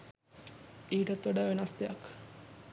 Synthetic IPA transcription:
iːʈət̪ʋɐɖaʋenɐsd̪ejɐk

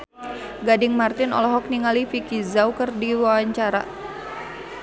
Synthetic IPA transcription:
ɡadɪŋmart̪ɪnɔ̰lɔɦɔk̚niŋalifikizawkɨrdiwawaɲt͡ʃaɾa̰

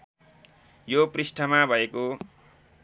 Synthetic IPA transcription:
joprisʈʰʌmabʱʌeko

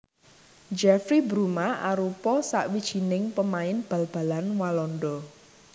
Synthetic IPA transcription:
d͡ʒɛfɾibɾumaʔaɾupɔsa̰ʔwid̥ʒ̥i̤nɪŋpəmaɪnb̥ä̤lb̥a̤lanwalɔndɔ

